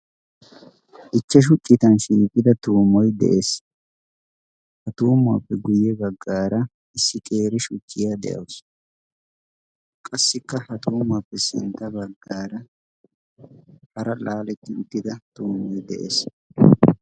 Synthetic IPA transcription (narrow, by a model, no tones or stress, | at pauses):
ʔɪt͡ʃːɛʃ̬ʊt͡ʃʼːɪt̪ɐnʃiːkʼːɪd̪ɐt̪uːmɔjd̪ɛ̰ʔes | hɐt̪uːma̰ːpːɛɡʊjɛbɐɡːaːɾɐ | ɪsːɪkʼeːɾɪʃʊt͡ʃʼːɪjad̪ɛ̰jɐ̰ws | kʼɐsːɪkːɐhɐt̪uːmaːpːɛsɪ̰nt̪ːɐbɐɡːaːɾɐ | hɐɾɐlaːlɛt̪ːɪʊt̪ːɪd̪ɐt̪uːmːɔjd̪ɛ̰ʔḛːs